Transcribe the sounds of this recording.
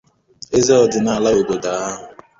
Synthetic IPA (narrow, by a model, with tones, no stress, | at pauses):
e˦ze˦ɔ˨dɪ˨na˨a˨la˦o˨ɡo˨da˨˦a˦ɦʊ˨